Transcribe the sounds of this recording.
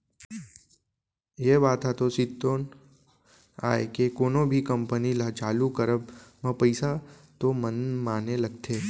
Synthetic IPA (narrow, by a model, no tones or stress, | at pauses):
ebat̪ʰat̪osɪt̪ːon | a̰ekekoːnobʱikəmpənilat͡ʃaːlukəɾəbmãpəjsat̪omənmaːneləɡ̚t̪ʰe